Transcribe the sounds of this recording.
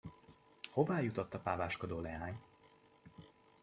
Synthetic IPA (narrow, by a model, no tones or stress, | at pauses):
ho̞vaːjut̪ot̪ːɒpaːvaːʃkod̪oːlɛɦaːɲ